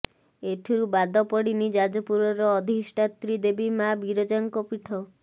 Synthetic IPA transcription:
et̪ʰiɾubad̪ɔpɔɽinid͡ʒad͡ʒɔpuɾɔɾɔːd̪ʱisʈat̪ɾid̪ebimabiɾɔd͡ʒaŋkɔpiʈʰɔ

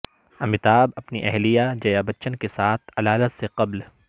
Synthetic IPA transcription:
ɐmɪt̪aːbɐpniʔɛɦlijad͡ʒɐjabɐtːʃənkesaːt̪ʰɐlaːlət̪seqɐbl

